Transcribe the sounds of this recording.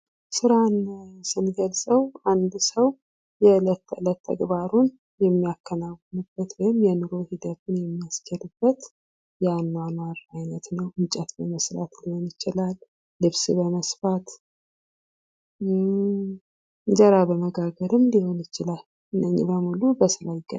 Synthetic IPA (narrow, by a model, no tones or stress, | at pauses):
sɨɾansɨnɡəlsʼəwand̪səw | jɛɨlət̪ːɨlət̪ʰːə̰ɡβaɾun | jɛmːijakʰːənawənɨbːət̪wɔjɪmjɛnɨɾo̞hid̪ət̪ʰunjɛmːiast͡ʃɛlɨbːət̪ | jɛanːamaɾajnət̪nəwɨmt͡ʃʼɛt̪bəməsɾa̰t̪liho̞njɪt͡ʃɪlalː | ɨβsɨbəməsfat̪ | zəɾabəməɡaɡəɾɨmliho̞njɪt͡ʃɪlal | ɨnːəɲːḭbəmulubəsɨlajɪɡə̰